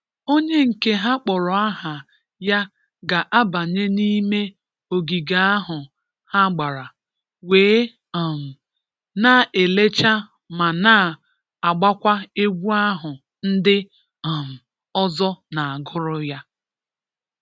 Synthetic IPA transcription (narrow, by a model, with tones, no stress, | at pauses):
o˦ɲe˦ŋ̩˨ke˦ɦa˦k͡pɔ˨ɾɔ˨a˦ɦa˨ | ja˦ | ɡa˨ʔa˦ba˨ɲe˦ni˦me˦ | o˨ɡi˨ɡa˨a˦ɦʊ˨ | ha˦ɡ͡ba˨ɾa˨ | weː˨˦˨ | m̩˨ | na˦˨ʔe˨le˦t͡ʃa˦ | ma˨na˦˨ | a˨ɡ͡ba˦kʷa˦e˦ɡʷu˦a˦ɦʊ˨ | n̩˦dɪ˦˨ | m̩˨ | ɔ˦zɔ˦na˨a˨ɡʊ˦ɾʊ˦ja˦